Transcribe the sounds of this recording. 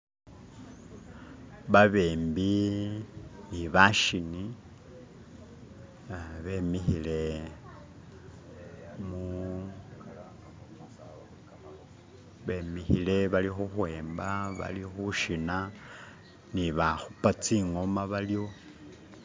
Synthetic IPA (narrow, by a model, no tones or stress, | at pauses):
βaβeːmbi | niβaʃini | βe̞mixile̞ | mu | βe̞mixile̞βalixuxwe̞ːmbaβa̰lixuʃina | niβaxupat͡siŋo̞maβaljo